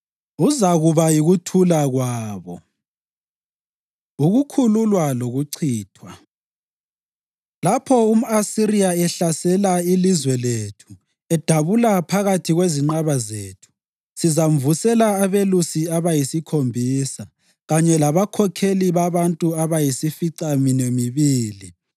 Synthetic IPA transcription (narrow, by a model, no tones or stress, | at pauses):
uzaɣuβajiɣutʰulaɣwaːβɔ̰ | uɣukʰululwaloɣuǀʰiːtʰwa | lapʰɔum̩asiɾiaɛɬasɛlailizwɛletʰu̥ | ɛd̥ʱaβulapʰaɣatʰiɣweziŋ͡ǃaβazeːtʰu̥ | sizam̩vusɛlaːβelusiaβajisikʰombʱiːsa | ɣaɲɛlaβakʰɔkʰeliβaβantʼuaβajisifiǀaminemiβiːli